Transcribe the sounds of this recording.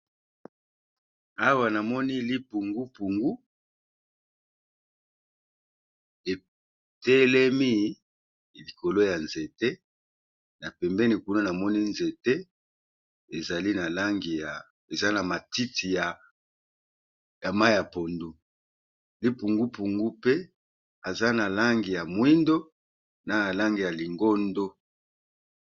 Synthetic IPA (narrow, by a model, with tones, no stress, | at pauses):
a˦wa˨na˨mɔ˦ni˦li˦pu˨ŋɡu˦pu˨ŋɡu˦ | e˨ | tɛ˦lɛ˦mi˦ | li˨ko˨lo˦ja˨nze˨te˦ | na˨pɛ˨mbɛ˦ni˨ku˦na˦na˨mɔ˦ni˦nze˨te˦ | e˨za˨li˦na˨la˦ŋɡi˨ja˨ | e˨za˦na˨ma˨ti˦ti˨ja˨ | ja˨ma˦ja˨po˨ndu˦ | li˦pu˨ŋɡu˦pu˨ŋɡu˦pe˦ | a˨za˦na˨la˦ŋɡi˨ja˨mwi˦ndo˦ | na˨na˨la˦ŋɡi˨ja˨li˨ŋɡo˦ndo˦